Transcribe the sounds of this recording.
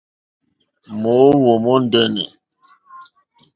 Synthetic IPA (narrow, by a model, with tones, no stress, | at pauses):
mo˨˦wo˨mɔ˦n˦dɛ˦nɛ̰˨